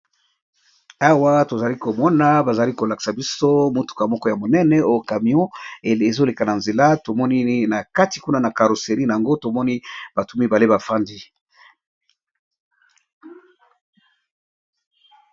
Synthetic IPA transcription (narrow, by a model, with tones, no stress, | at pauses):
a˦wa˦to˨za˨li˦ko˨mɔ˦na˨ba˨za˨li˦ko˨la˨ki̥˨sa˨bi˦so˦mo˦tu̥˨ka˨mɔ˦kɔ˦ja˨mo˨nɛ˦nɛ˨o˦jo˨ka˨mi˨ɔ̃˦˨e˨zo˦le˨ka˨na˨nze˨la˦to˨mɔ˦ni˦na˨ka˦ti˨ku˦na˦na˨ka˨ɾo˨se˨ʁi˦na˨a˨ŋɡo˦to˨mɔ˦ni˦b̥a˨tu˨mi˨ba˨le˦ba˨fa˦ndi˦